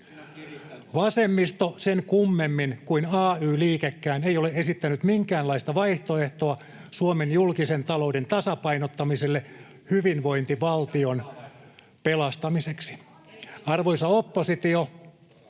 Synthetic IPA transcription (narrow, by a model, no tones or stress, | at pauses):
ʋɑsemːist̪osenkumːemːinkuinɑːyːliːkekːæːneioleʔesit̪ːænyt̪miŋkæːnlɑist̪ɑʋɑjht̪oeht̪oɑ | suomenjulkisent̪ɑloudent̪ɑsɑpɑinot̪ːɑmiselːe | hyʋinʋo̞int̪iʋɑlt̪ion | pelɑst̪ɑmiseksi̥ | ɑrʋoisɑopːosit̪io